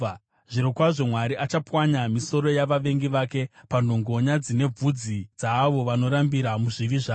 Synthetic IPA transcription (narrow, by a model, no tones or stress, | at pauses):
ʐ̥iɾokwaʐo̞mwaɾiʔat͡ʃapwaɲamiso̞ɾo̞jaʋaʋe̞ŋɡiʋaːke̞pando̞ŋɡoɲad͡zine̞b͡vud͡zid͡zaːʋo̞ʋano̞ɾambiɾamuʐiʋiʐaː